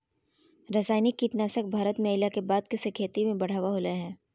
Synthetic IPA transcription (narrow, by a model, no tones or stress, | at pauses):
ɾəsaːɪnikːiːʈnaːsək̚bʱaːɾət̪meɪlakebaːd̪̚kɪsekʰeːt̪imẽbɐɽ̤aːʋaɦoːlaɦɛ̃ː